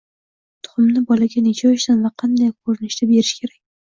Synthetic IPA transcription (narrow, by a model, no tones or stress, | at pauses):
t̪ʰʊ̥χʊmnɪbɒlaɡʲanɪt͡ʃʰaʃt̪anvaqʰɑnd̪ajkʰɵɾɪnɪʃt̪abe̞ɾɪʃkʲʰe̞ɾakʲ